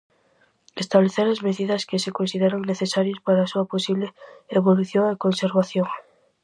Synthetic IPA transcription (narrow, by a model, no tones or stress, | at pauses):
est̪aβleθeɾazmeðiðɐskesekonsiðeɾoŋneθesaɾjospaɾaːsuɐposiβleeβoluθjoŋekonseɾβaθjoŋ